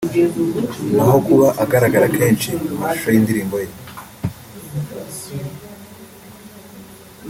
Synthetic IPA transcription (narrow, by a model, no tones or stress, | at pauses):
naɦo̞kuβaʔaɡaɾaɡaɾakʰe̞ːnʃiumauʃojiːndiɾiːmbo̞je